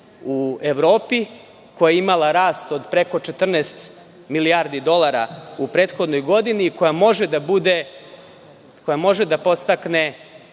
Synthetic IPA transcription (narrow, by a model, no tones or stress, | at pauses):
ueʋɾo̞ːpi | ko̞jaimalˠaɾaːst̪o̞d̪pɾe̞ko̞t͡ʃe̞t̪r̩nɛːst̪ | miliaɾd̪id̪o̞lˠaɾaupɾe̞ːt̪xo̞d̪no̞jɡo̞d̪iniːko̞jamo̞ʒed̪abud̪e̞ | ko̞jamo̞ʒed̪apo̞st̪akne